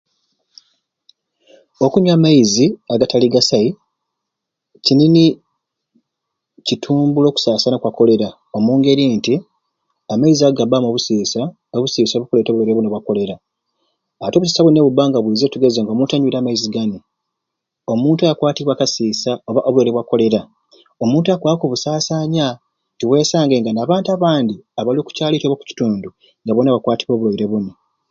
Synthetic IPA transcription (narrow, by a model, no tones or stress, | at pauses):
o̞kuɲwaːmaiziaɡataliɡasai | cinini | citʰuːmbulo̞ːku̥saːsanakwako̞le̞ɾa | o̞muːŋɡe̞ɾinti | amaiziaɡabamoβusiːsa | oβusiːsoβukule̞ːtoβuleɾeβunoβwako̞le̞ɾaː | atoβus̬i̥saβuneβubaːŋɡaβwiːzetuɡezeŋɡaomuːntaɲuiɾaːmaiziɡani | o̞muːntuajakwaːtiβwakasiːsaoβaʔoβuleɾeβwako̞le̞ɾa | o̞muːntuakwaːakoβusaːsaːɲa | ntiwe̞ːsaːŋɡe̞ŋɡanaːβaːntaβaːndiaβalioku̥caːlitoβaku̥ci̥tuːndu | ŋɡaβonaβakwaːtiβwo̞ːβulojiɾe̞βuno